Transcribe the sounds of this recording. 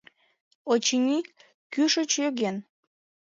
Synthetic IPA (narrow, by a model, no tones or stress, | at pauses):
ot͡ɕinʲi | kyʃət͡ɕjøɣen